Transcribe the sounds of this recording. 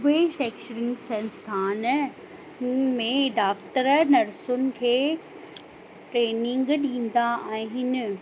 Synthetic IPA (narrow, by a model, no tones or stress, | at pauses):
ʊbeʃeːkʃəɾɪ̃ŋɡsɐ̃nst̪ʰaːn | mẽɖaːkʈəɾnɐɾsʊnɪ̆kʰeː | ʈɾeːnɪŋɡɗĩːn̆d̪aɛ̃ːɦɪn